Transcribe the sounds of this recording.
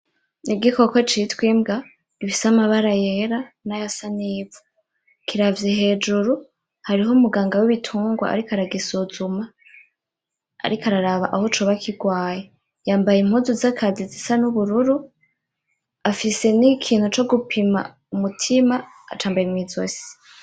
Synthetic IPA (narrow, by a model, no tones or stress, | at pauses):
niɡiko̞ko̞t͡ʃitwiːmbɡa | difi̥samaβaɾajeɾa | najasaniːbvu | kʰiɾavjeɦe̞ːd͡ʒuɾu | haɾiɦomuɡaːŋɡawiβitʰuːŋɡwa̰a̰ɾikaɾaɡisuzuma | a̰ɾikaɾaɾaβa̰ʔahot͡ʃoβakʰiɡwaːje | jaːmbajem̥huzuzakʰazizisanuβuɾuɾu | afise̞nikʰiːnhut͡ʃoɡupʰima̰ | umutʰima̰ː | t͡ʃaːmbajimŋiːzo̰si̥